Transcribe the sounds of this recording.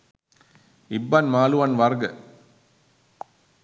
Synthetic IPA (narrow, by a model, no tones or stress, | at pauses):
ɪbːanmaːluʋɐnʋaɾɡɐ